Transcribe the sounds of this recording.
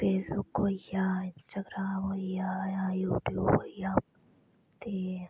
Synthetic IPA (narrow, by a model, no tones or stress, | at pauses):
feːsbukɦoijaːɪnsʈaɡɾaːmɦoijajajuːʈjuːbɦoijaːm | t̪e